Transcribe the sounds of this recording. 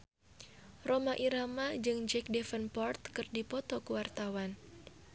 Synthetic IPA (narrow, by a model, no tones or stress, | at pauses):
romaʔiɾamad͡ʒɨŋd͡ʒɛk̚dɛfənpɔrt̪̚kɨrdipɔt̪ɔkuwart̪awan